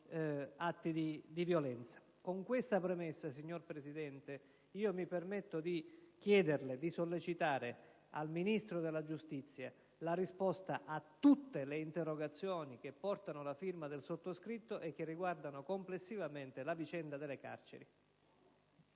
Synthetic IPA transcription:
at̪ːid̪id̪ivjolɛnt̪sḁ | koŋkwest̪apɾemesːasiɲːorpɾesid̪ɛnt̪e | iːomipermet̪ːod̪ik̟jɛːd̪erled̪isolːet͡ʃit̪aːɾe | a̰lminist̪ɾod̪elːad͡ʒust̪it̪sːja | larispɔst̪aʔat̪ːut̪ːeleint̪erːoɡat̪sːjoːnik̟epːɔrt̪anolafirmad̪elsot̪ːoskɾit̪ːoʔekːerːiɡward̪anokomplesːivament̪elavit͡ʃɛnd̪ad̪elːeka̰rt͡ʃḛɾi

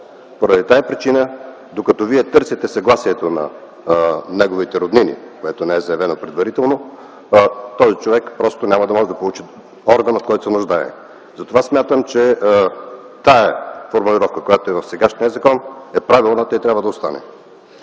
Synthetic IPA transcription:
poɾəd̪it̪aɛpɾit͡ʃinə | d̪okɐt̪ɔviɛt̪ɤɾsit̪ɛsɐɡlˠasiɛt̪onɐ̰ | nɛɡovit̪ɛɾod̪ninḭkoɛt̪onɛɛzɐjɐvɛnopɾɛd̪vɐɾit̪ɛlˠno | t̪ɔzit͡ʃovɛkpɾɔst̪onʲamɐd̪ɐmɔʒɛd̪ɐpolˠut͡ʃi | ɔɾɡənot̪̚kɔjt̪o̥sɛnʊʒd̪aɛ̰ | zɐt̪ovasmʲjat̪əmt͡ʃɛ | t̪aɛfoɾmulʲiɾɔfkəkojat̪oɛvɐfsɛɡaʃniəzɐkɔnɛpɾavilˠnət̪ɔjt̪ɾʲabvəd̪ɐost̪a̰nɛ̰

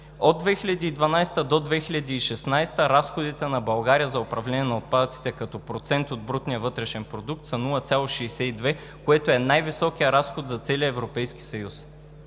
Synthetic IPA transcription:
od̪̚ːvɛxilʲɐd̪iːd̪vɐnajst̪əd̪od̪vɛxilʲɐd̪iːʃɛsnajst̪əɾasxod̪it̪ɛnɐbɐlˠɡaɾijəzɐopɾɐvlɛnʲiɛnɐot̪̚pad̪ət̪si̥t̪ɛkɐt̪ɔpɾot̪sɛnt̪od̪̚bɾut̪nijəvɤt̪ɾɛʃɛnpɾod̪uk̚t̪sɐnulˠɐt̪sʲjalˠoʃɛːsɛid̪vɛ | koɛt̪oɛnajvisɔk̟ijəɾasxot̪zɐt̪sɛliəɛvɾopɛjski̥sɐjus

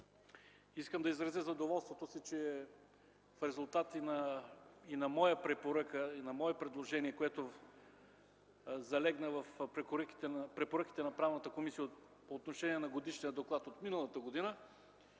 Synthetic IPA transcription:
iskəmd̪ɐizɾɐzʲəzɐd̪ovɔlˠst̪vot̪osit͡ʃɛ | fɾɛzulˠt̪at̪inɐ | inɐmɔjəpɾɛpoɾəkəinɐmɔɛpɾɛd̪lˠoʒɛniɛkoɛt̪o | zɐlɛɡnəvɐfpɾɛoɾəki̥t̪ɛpɾɛpoɾɤk̟i̥t̪ɛnɐpɾavnɐt̪əkomisijə | poːt̪noʃɛniɛnɐɡod̪iʃniəd̪oklˠat̪ot̪minəlˠət̪əɡod̪inə

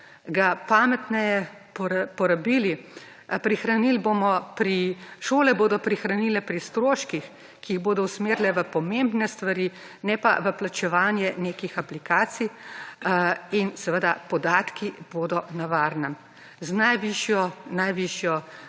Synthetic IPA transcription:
ɡapaːmɛt̪nɛjɛ | ppɔɾabiːli | pɾixɾanilboːmɔpɾiʃoːlɛboːd̪ɔpɾixɾanilɛpɾist̪ɾoːʃkix | kiːɣboːd̪ɔusmeːɾlɛʋəpɔmembnɛst̪ʋaɾi | nɛpa̰ʋəplat͡ʃɛʋaːnjɛneːkixaplikaːt̪sij | insɛʋəd̪apɔd̪aːt̪kiboːd̪ɔnaʋaɾnɛ | znajʋiʃjɔnajʋiʃjɔ

